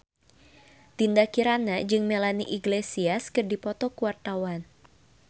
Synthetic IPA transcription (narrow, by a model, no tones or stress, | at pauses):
t̪indakiɾanad͡ʒɨŋmelaniʔiɡlesiaskɨrdipɔt̪ɔkuwart̪awan